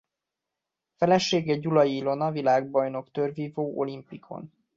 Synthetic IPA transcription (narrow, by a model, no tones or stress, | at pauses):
fɛlɛʃeːɡɛɟulɒjilo̞nɒvilaːɡbɒjno̞kt̪ørviːvoːʔo̞limpikʰo̞̰n